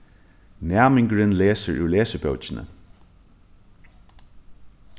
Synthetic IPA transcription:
næɐmɪŋɡɹənleːsəɹʔʉːleːsəb̥œʊt͡ʃnə̰

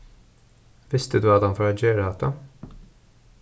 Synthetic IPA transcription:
vɪst̪ɪd̪wɐːd̪ɐnfɐɾɐd͡ʒɛɾɐːt̪ɐ

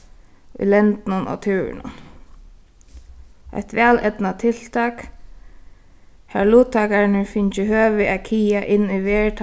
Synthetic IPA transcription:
ʊ̰jlɛnt̪nʊnɔ̰t̪ʰʉːɹɪ̰nʊ̰n | a̰jt̪ʋɛːlɛt̪nat̪ʰɪl̥t̪ʰɑːk | hæɹluːt̪ʰːɑːkaɹɪnɪɹfɪnt͡ʃɪhøːʋɪʔakʰiːjaʔɪnːiʋɛːt̪ʰ

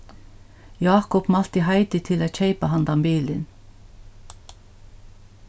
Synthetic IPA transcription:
jɑːkʊpmɑl̥t̪ɪɦɑɪt̪ɪt̪ʰɪlæːc͡çeɪpɑhɑnd̪ɑmbiːlən

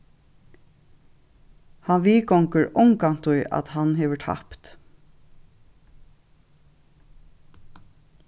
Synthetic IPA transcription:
hɑnʋiːkɔŋkəɹʊŋkant̪ʊjʔɑ̰t̪hɑnɦɛːʋəʈʰhɑ̰pt̪

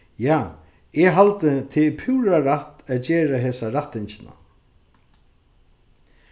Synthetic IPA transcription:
jaː | ɛɦalt̪ət̪ʰɪpʰuːɾaɾaht̪æːðt͡ɕeːɾaɦeːsaɾaht̪ːɪɲt͡ɕɪna̰

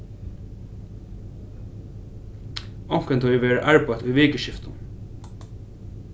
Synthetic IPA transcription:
ɔŋ̥kənt̪ʰɔjɪʋeːɹaʔaɹpajt̪ʊjʋɪːkəʃɪft̪ʊn

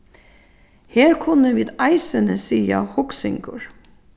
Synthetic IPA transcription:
heːɹkʰʊnəʋɪːd̪ɑɪsənəsiːɑ̰hʊksɪŋɡʊ̰ɹ

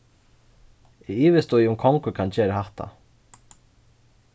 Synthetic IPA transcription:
ɪiːʋɪst̪ujʊmkʰɔŋkəkʰant͡ʃɛːɾaɦaht̪a̰

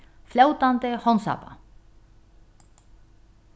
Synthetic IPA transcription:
flawt̪ant̪ɪhɔnsa̰ːpa̰

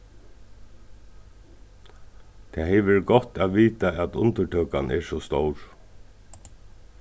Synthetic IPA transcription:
t̪ʰɛːhɛjʋɛɾɡɔt̪aðʋiːt̪aʔæt̪ʊ̰nt̪əʈʰœːkanʔɛɹsɔst̪owɹ

